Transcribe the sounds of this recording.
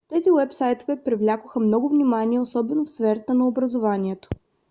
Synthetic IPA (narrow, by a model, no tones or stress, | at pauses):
t̪ɛziwɛpsajt̪ovɛpɾivlʲakʊxəmnɔɡʊvnʲimaniɛosɔbɛnofsfɛɾət̪ənɐobɾəzovaniɛt̪o̥